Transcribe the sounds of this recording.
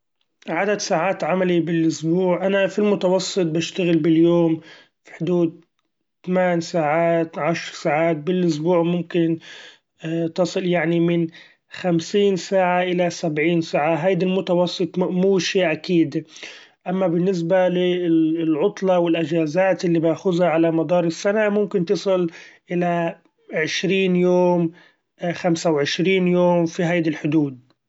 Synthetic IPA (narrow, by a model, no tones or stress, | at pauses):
ʕad̪ad̪saːʕaːt̪ʕamalibɪlʔʊsbuːʕʔanafilmʊt̪ɑwɑsˤːɨt̪̚ˤbɪʃt̪aɣɪlbɪljoːm | fi̥ħʊd̪uːd̪̚ | t̪amaːnsaːʕaːt̪ʕaʃɾsaːʕaːt̪̚bɪlʔʊs̬buːʕmʊmkɪn | t̪ɑsˤɨljaʕnimɪn | xamsiːnsaːʕaʔɪlasabʕiːnsaːʕaɦajd̪almʊt̪ɑwɑsˤːɨt̪ˤmuːʃiːʔakiːd̪ | ʔamːabɪnːɪs̬balɪlʕʊt̪ˤlɑwɪlʔɪd͡ʒaːzaːt̪ʔɪlːibaːxʊzhaʕalamɑd̪ɑːɾˤɪsːanamʊmkɪnt̪ɨsˤɨlʔɪla | ʕɪʃɾiːnjoːm | xamsawʕɪʃɾiːnjoːmfiɦajd̪alħʊd̪uːd̪̚